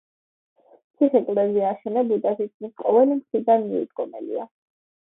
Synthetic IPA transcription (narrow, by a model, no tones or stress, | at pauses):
t̪sʰiχɛkʼlˠɛziaʃɛnɛbud̪asit̪̚kʰmisqʼɔvɛlimχɾid̪anmiṵd̪ɡɔmɛ̰lḭa